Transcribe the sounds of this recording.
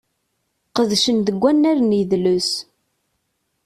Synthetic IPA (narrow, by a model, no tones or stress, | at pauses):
qəðʃənðəɡʷːænːæɾnjðlus